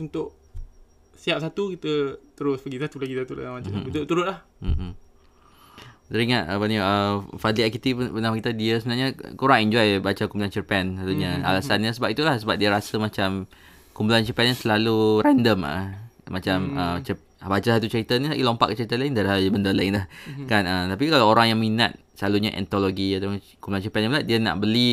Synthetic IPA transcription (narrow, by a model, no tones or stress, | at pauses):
unt̪ʊʔ | siap̚sat̪ukit̪ət̪əɾʊspəɡisat̪ulaɡisat̪ula̰amaut̪ut̪uɾʊt̚lah | t̪əɾiŋat̪əpəniəfadliakit̪ipənamakit̪adiəsəbənarɲa̰kuɾaŋɛɲd͡ʒɔjbat͡ʃakumpulant͡ʃəpɛnsat̪uɲaa̰lasanɲasəbapit̪ulahsəbap̚diaɾasəmat͡ʃam | kumpulant͡ʃəpɛnɲasəlaluɾɛndəma̰mat͡ʃamət͡ʃə | bat͡ʃasalt̪ut͡ʃəɾit̪anisaʔilompa̰ʔkət͡ʃəɾit̪alaɪndaɾiɦalbəndəlaɪnlahkanət̪apikalawoɾaŋjaŋmina̰t̪̚səlaluɲaʔɛ̰nt̪oloɡiat̪a | kumpulant͡ʃəpɛnjãmnat̪̚diana̰ʔbəli